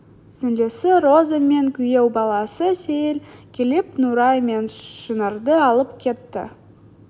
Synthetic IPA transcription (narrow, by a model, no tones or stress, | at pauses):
sɪnd̪e̞sɪɾozəme̞ŋkʲʰʏjewbɑlˠɑsəsejelkʲʰelepnuɾɑjme̞nʃənəɾd̪əɑlˠəpkʲʰe̞t̪ːɪ̰